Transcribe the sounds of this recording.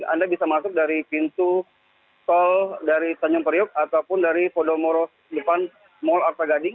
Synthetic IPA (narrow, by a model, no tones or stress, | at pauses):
a̰ndabisamasʊk̚daɾipint̪u | sɔldaɾit̪aɲɔŋpəɾiɔʊk̚at̪awpʊndaɾipɔdɔmɔɾɔ | dəpan | mɔlart̪aɡadɪŋ